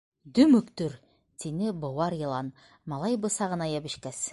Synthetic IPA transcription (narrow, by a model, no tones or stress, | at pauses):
d̪ɵmɵ̆kt̪ɵɾ | t̪ʰinɘbŏwɑɾjɤ̆lˠɑn | mɑlˠɑjbɤ̆sɑʁɤ̆nɑjɑbɘ̆ʃkæs